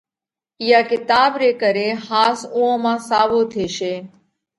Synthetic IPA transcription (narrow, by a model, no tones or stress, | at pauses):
ɪjaːkɪt̪aːbɾeːkəɾeːhaːsũːõːmãːsaːʋoːt̪ʰeːʃeː